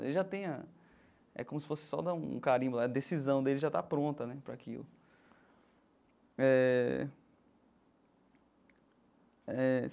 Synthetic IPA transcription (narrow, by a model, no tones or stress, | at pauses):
ḛlɪʒat̪ẽj̃ɐ | ɛ̰kõmʊsɪ̥fosɪ̥sɔ̰d̪aṵ̃kaɾĩɲ̃laɐd̪esizɐ̃w̃d̪elɪʒat̪apɾõnt̪ɐnɛpɾɐakḭlʊ̰ | ɛ | ɛ